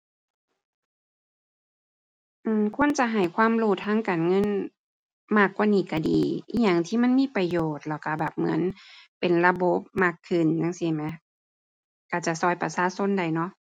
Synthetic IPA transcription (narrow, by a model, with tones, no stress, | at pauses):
ʔɯː˧˩mkʰu˧˥˨ə˨nt͡ɕa˧˦ɦa˨˩˦jkʰwaː˧˥˨mɾuː˧˩t̪ʰaː˧˥˨ŋkaː˨nŋɤ˧˥˨n | maː˧˥˩kːwaː˧˨niː˧˩ka˧˩dḭː˨˦i˧˨jaː˧˨˩ŋt̪ʰiː˧˥˨ma˧˥˨nmiː˧˥˨pɾa˧joː˨˩t̪̚lɔ˧˩ka˧˩bɛː˨˩p̚mɯ̰˨˦npe˨nla˧bo˧˦p̚maː˧˥˩kʰːɯ˨˩nja˧˥˨ŋsi˧˩ma˧˦ | ka˧˩t͡ɕa˧˩˨sɔː˧˩jpa˧saː˧˥˨so˧˥˨nda˨˩jnɔ˧˥ʔ